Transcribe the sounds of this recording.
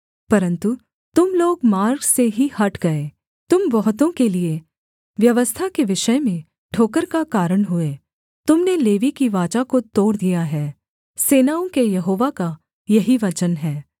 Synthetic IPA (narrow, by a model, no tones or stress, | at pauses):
pɐɾə̃nt̪u | t̪ʊmloːɡmaːɾɡseɦihɐʈɡɐeː | t̪ʊmʋɐɦʊt̪̬õkelie | ʋjɐʋəst̪ʰakeʋɪʃəmẽ | ʈʰoːkəɾkakaːɾəɽ̃ɦʊeː | t̪ʊmneleːʋikiʋaːt͡ʃakot̪oːɾd̪ijaɦɛː | seːnaːõkejɐɦoːʋaka | jɐɦiʋɐt͡ʃənɦɛː